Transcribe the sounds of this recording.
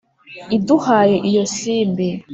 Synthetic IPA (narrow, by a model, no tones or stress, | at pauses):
iduhaːjeʔijosiːmbi